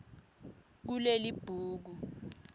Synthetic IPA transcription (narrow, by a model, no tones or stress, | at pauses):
k̬ulelib̥ʱuːk̬u